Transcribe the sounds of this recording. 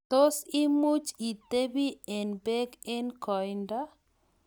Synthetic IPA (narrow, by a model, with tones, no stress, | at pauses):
t̪o˦si˦mu˦t͡ʃi˨t̪e˦bi˦ɛ˨nbe˦ɡɛ˦nkɔ˨jnda